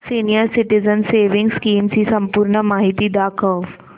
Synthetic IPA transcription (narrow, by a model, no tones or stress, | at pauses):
sinijəɾsiʈizənseːʋɪŋɡskiːmsisɐmpuɾɳəmaːɦit̪iːd̪akʰəʋ